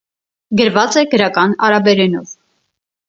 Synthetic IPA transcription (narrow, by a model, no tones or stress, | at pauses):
ɡəɾvɑt͡sɛɡəɾɑkɑnɑɾɑbɛɾɛnɔv